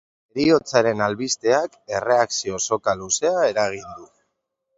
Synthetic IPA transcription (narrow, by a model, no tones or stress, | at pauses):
eɾio̞t͡saɾe̞nalβist̪e̞ake̞re̞aksio̞so̞kaluse̞ae̞ɾaɣ̞ind̪u